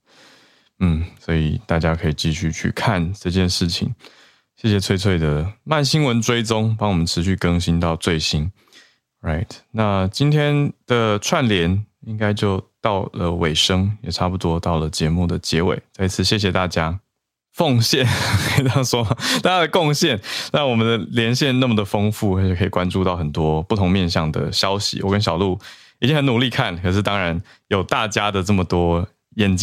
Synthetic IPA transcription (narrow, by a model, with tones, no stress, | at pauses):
n̩˥˩swɔ˧˥i˨˩t̪a˥˩t͡ɕja˥kʰɤ˧˥i˨˩t͡ɕi˥˧ɕy˥˧t͡ɕʰy̰˥˩kʰa˥˨nʈ͡ʂɤ˥˧t͡ɕjɛ˥˧nʂɻ̩˥˩t͡ɕʰḭ˨˦ŋ | ɕjɛ˥˩ɕ̬jɛ˨˩t͡sʰwe˥˧ɪt͡sʰwe˥˩ɪd̪ə˩ma˥˨˩nɕi˥nwə˧˦nʈ͡ʂwe˥ɪt͡sʊ˥ŋpɑ˥ŋwɔ˨mə̃˦nʈ͡ʂʰɻ̩˧˦ɕ̬y˥˩kə˥ŋɕi˥nt̪ɑ˥˧ʊt͡swe˥˩ɪɕi˦˥n | ɹa˥˩ɪt̪na˥˨t͡ɕi˥nt̪ʰjɛ˥nd̪̥ə˨ʈ͡ʂʰwa˥˨nljɛ˧˦ni˦ŋka˥ɪt͡ɕjo˥˧ʊt̪ɑ˥˩ʊlə˩we˨˩ɪʂɤ˥ŋjɛ˨˩ʈ͡ʂʰa˥pu˧t̪wɔ˥t̪ɑ˥˩ʊlə˩t͡ɕjɛ˧˥mu˥˩d̪ə˩t͡ɕjɛ˧˥wḛ˨˩˦ɪt͡sa˥˧ɪi˧˥t͡sʰɹ̩˥˩ɕjɛ˥˩ɕ̬jɛ˨˩t̪a˥˩t͡ɕja˥ | fo˥˧ŋɕjɛ˥˩nke˥ʂwɔ˥˩t̪a˥˩t͡ɕja˥d̪ə˨˩kʊ˥˧ŋɕjɛ˥˩nna˥˩wɔ˨˩mə˦nd̪ə˨ljɛ˧˥nɕjɛ˥˧nna˥˩mə˩d̪ə˩fɤ˥ŋfu˥˩a˧˥t͡ɕʰɛ˨˩kʰɤ˧˥i˨˩kwa˥nʈ͡ʂu˥˧ɑ˥˩ʊxə˨˩nt̪wɔ˥pu˥˩t̪ʰʊ˧˥ŋmjɛ˥˧nɕ̬jɑ˥˩ŋd̪ə̰˩ɕjɑ˥ʊɕḭ˨wɔ˨˩kə˦˥nɕjɑ˨ʊlu˥˩ | i˨˩t͡ɕi˥ŋxə˧˦nu˨˩li˥˧kʰa˥˩nkʰɤ˨˩ʂ̬ɻ̩˥˩t̪ɑ˥ŋɻa˧˥n | jo˨˩ʊt̪a˥˩t͡ɕja˥d̪ə˨ʈ͡ʂɤ˥˩mə˩t̪wɔ˥ | jɛ˨˩nt͡ɕ